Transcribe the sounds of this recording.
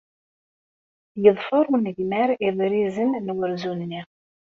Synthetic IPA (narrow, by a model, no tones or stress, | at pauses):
jəðˤfʊɾˤunəʝmæɾiðˤɾizənːwəɾzunːi